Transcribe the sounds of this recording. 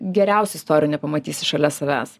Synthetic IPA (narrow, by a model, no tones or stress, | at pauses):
ɡʲɛɾʲæˑʊsʲɛɪst̪oːɾʲjunʲɛpɐmɐt̪ʲiːsʲɪʃɐlʲɛsɐʋʲæ̰ːs